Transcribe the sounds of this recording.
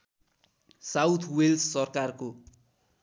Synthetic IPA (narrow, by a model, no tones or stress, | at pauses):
sawt̪ʰwelssʌrkarko